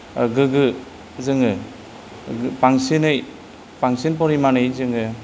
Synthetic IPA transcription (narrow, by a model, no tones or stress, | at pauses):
ɡɯɡɯ | zɯŋɯ | paŋsinɯj | paŋsinp̬ɔɾimanɯjzɯŋɯ